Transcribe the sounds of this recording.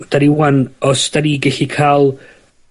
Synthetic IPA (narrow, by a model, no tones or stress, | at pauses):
d̥aɾiwanɔsd̥aɾiɡɛɬikʰaːlˠ